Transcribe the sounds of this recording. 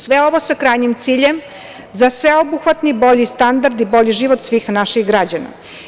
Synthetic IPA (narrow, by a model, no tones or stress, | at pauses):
sʋeo̞ʋosakɾaːjɲimt̪siːʎem | zasʋeo̞buxʋat̪nibo̞ʎist̪and̪aɾd̪ibo̞ʎiʒiːʋot̪sʋiːxnaʃiɣɡɾad͡ʑana̰